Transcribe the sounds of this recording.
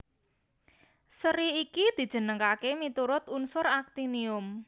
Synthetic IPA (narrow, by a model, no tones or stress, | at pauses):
səɾiikid̪̥i̤̥ʒ̥ə̤nəŋkakemit̪uɾʊt̪unsʊɾak̚t̪iniʊm